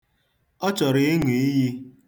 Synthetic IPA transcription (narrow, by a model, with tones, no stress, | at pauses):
ɔ˦t͡ʃɔ˨ɾɪ˦e˦ŋi˨i˦ji˦